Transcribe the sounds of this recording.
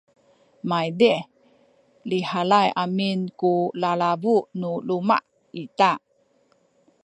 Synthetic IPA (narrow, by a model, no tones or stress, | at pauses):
majde | lihalajaminkulalavuʔnuluma̰ʔ | it̪a